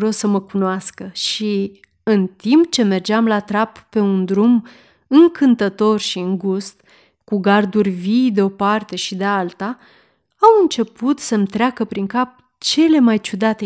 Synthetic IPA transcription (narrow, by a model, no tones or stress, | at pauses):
ɾosəməkunoaskəʃi | ɨnt̪impt͡ʃe̞me̞rd͡ʒeamlat̪ɾapːe̞und̪ɾum | ɨŋkɨnt̪ət̪o̞rʃiɨŋɡust̪ | kuɡard̪urʲvijd̪e̞o̞part̪e̞ʃid̪ealt̪aː | wɨnt͡ʃe̞put̪səmt̪ɾʲeakəpɾiŋkap̚ | t͡ʃe̞le̞majt͡ʃud̪at̪e